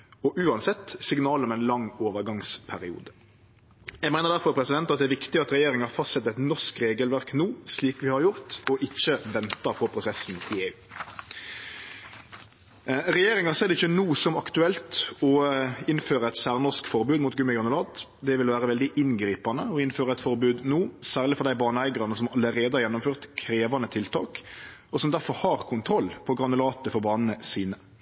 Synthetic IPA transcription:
ɔʔʉːɑnsɛt̪ːsɪɡnɑːləɔmɛnlɑŋːoːʋəɾɡɑŋspʰæɾɪṵːd̪ə | jæɪmæɪnəɾd̪æɾfɔɾpʰɾɛsɪd̪ɛnt̪ɑt̪d̪ɛæːɾʋɪkt̪ɪɑt̪ɾɛjeːɾɪŋɑɑfɑst̪sɛt̪ːɛt̪nɔʂkɾeːɡəlʋæɾknuːsliːkʋɪhɑɾjʊɾt̪ɔʔɪçːəʋɛnt̪ɑɾfʰɔpʰɾʊsɛsn̩ɪeːʉː | ɾɛjeːɾɪŋɑseːd̪ɛɪɪçːənuːsɔmɑkt̪ʉɛlt̪ɔɪnføːɾəɛt̪sæːʁnɔʁskfɔɾbʉːd̪mʊːt̪ɡʉməɡɾɑnʉlɑːt̪ | d̪ɛʋɪlʋæːʁəʋɛld̪ɪʔɪnɡɾiːpɑnəɔɪnføːɾəɛt̪fɔɾbʉːd̪nuːsæːʁɭɪfɔʁɾd̪æɪbɑːnəæɪɡəɾɑnəsɔmɑlːəɾeːd̪əhɑɾjɛnːʊmføːʁt̪kʰɾeːʋɑnət̪ʰɪlt̪ʰɑ̰ːk | ɔsɔmd̪æʁfɔɾhɑʁkʰʊnt̪ʰɾɔlːpʰɔɡʁɑnʊlɑːt̪əfɔʁbɑːnnəsiːnə

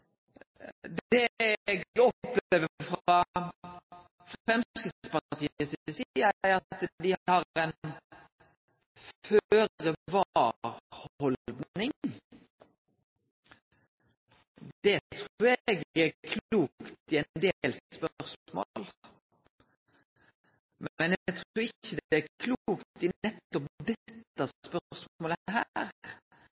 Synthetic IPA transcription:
d̪ɛɛɡɔpleːʋəfɾɑ | fɾɛmskəspɑt̪ʰiːəssiəæɾɑtt̪d̪ɪhɑɛn | føːɾəʋɑɾhɔld̪nɪŋ | d̪̥ɛt̪ʰɾuːɾɛɡækʰluːkkt̪ɪɛnd̪elspœʁsmo̰l | mmɛnɛɡt̪ʰʁuːɪçːəd̪ɛækʰluːkt̪ɪɛt̪ːɔpd̪ɛt̪ːɑspœsoːlɦæɾ

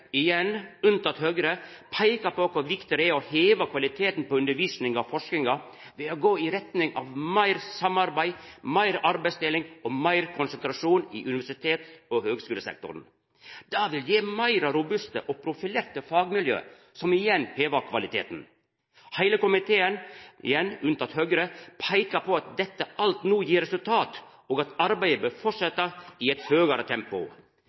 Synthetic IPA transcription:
ɪjɛnʉnt̪ɑt̪høːɡɾəpʰæɪkɑpʰokʰʊɾʋɪkt̪ɪɾəæoheːʋɑkʰʋɑlɪt̪ʰeːt̪n̩poːʉnd̪əɾʋiːsnɪŋɑfɔʂk̪ɪŋɑ | ʋeːoɡoːɪɾɛt̪nɪŋʔɑʋmæɪɾsɑmɑɾbæɪmæɪɾɑɾbæɪst̪ɪlɪŋɔmæɪɾkʰʊnsənt̪ɾɑʂuːnḭːʔʉnɪʋæʂɪt̪ʰeːt̪ɔhøːɡskʉːləsɛ̰k̚t̪ʊ̰ɾn | d̪̥ɑːʋɪljeːmæɪɾɑɾʊbʉst̪ə̰ʔoːpʰɾʊfɪleːɾt̪əfɑːɡmɪljø̰ː | sɔmɪjɛnhʰeːʋɑɾkʰʋɑlɪt̪ʰḛːt̪n̩ | hæɪləkʊmɪt̪ʰeːənɪ̰jɛnʉnt̪ɑt̪høːɡɾəpʰæɪkɑpʰɔɑt̪̚d̪ɛt̪ːəɑlt̪nuːjiːɾɛsʉlt̪ʰɑːt̪ | oːɡɑt̪ɑɾbæɪəbøːfɔʂɛt̪ːɑiɛt̪høːɡəɾət̪ʰɛmpʊ̰

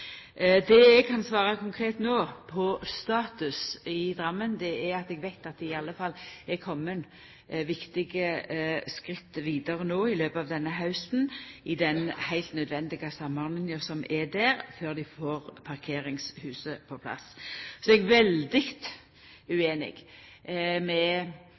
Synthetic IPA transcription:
d̪ɛɛɡkʰɑnsʋɑːʁɑkʰʊŋkʰɾeːt̪noːpʰɔst̪ɑːt̪ʉsɪd̪ɾɑmːənd̪ɛɛɾɑt̪ɛɡʋæɪt̪ɑt̪ɪɑlːəfɑlːɛɾkʰɔmːən | ʋɪkt̪ɪɡəskɾɪt̪ːʋiːd̪ɑɾənoːɪløːpɑːʋd̪ɛnːəɦɑʉsnɪd̪ɛnhæɪlt̪nœd̪ʋɛnd̪ɪɡɑsɑmɑnənəsɔmʔɛd̪æːɾføːʁd̪ɪfoːʁpʰɑʁkʰeːɾɪŋshʉːsəpʰɔpʰlɑ̰ssɔɛɡʋɛld̪ɪɡt̪ | ʉeːnɪ̰ɡ | mɛ

